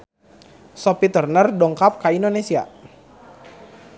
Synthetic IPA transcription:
sɔpit̪ərnərdɔŋkap̚kaindonesia̰

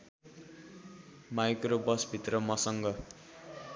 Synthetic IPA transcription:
majkrobʌsbʱit̪rʌmʌsʌŋɡʌ

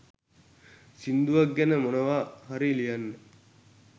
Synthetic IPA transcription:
sind̪uʋɐɡːænəmonəʋaːɦaɾilijanːe

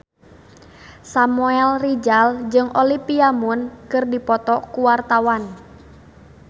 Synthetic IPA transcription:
samuɛlrid͡ʒald͡ʒɨŋʔɔlipiamunkɨrdipɔt̪ɔkuwart̪awan

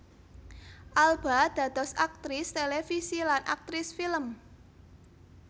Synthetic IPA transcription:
ʔalb̥a̤d̪̥ä̤t̪ɔsak̚t̪ɾɪst̪elefisilanʔa̰k̚t̪ɾɪsfiləm

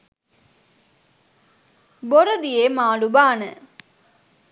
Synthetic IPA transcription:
boɾəd̪ijemaːlubaːnə

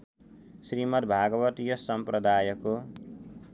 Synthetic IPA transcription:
srimʌt̪bʱaɡʌbʌt̪jʌsʌmprʌd̪aːjʌko

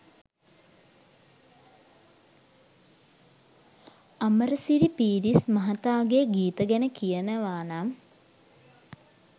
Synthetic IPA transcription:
ɐməɾəsiɾipiːɾismɐɦɐt̪aːɡeɡiːt̪əɡænəkijənəʋaːnam

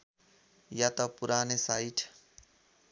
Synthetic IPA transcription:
jat̪ʌpuɾanesaiʈʰ

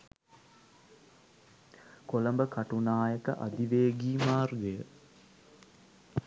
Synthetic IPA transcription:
kolɐmbəkaʈunaːjəkə̰ʔa̰d̪iʋeːɡiːmaːrɡəjə

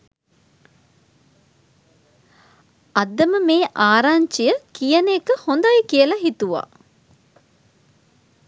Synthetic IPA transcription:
ɐd̪ːəməmeːʔaːɾaːɲt͡ʃijəkijənekəhond̪ɐjəkijəlɐɦit̪uʋa̰ː

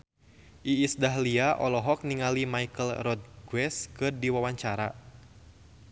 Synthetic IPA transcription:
ʔiːsdaɦliaʔɔlɔɦɔk̚niŋalimaikəlrɔd̪̚ɡwɛskɨrdiwawaɲt͡ʃaɾa

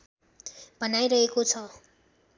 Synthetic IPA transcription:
bʱʌnajɾʌɦekot͡sʰʌ

